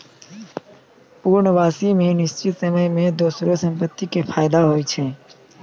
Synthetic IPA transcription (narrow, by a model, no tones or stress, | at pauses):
puɾɳəʋaːsimẽnɪst͡ʃɪt̪səməjmẽd̪oːsɾosə̃mpət̪ːikepʰaːjd̪aɦoːit͡ʃʰe